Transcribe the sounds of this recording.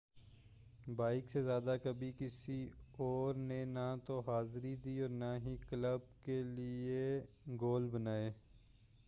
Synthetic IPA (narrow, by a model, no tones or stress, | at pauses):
baːɪksezjaːd̪akɐbʱikɪsiɔːɾnenat̪oɦaːzɾid̪iːɔːɾnaɦikləb̚kelɪe | ɡoːlbənaːeː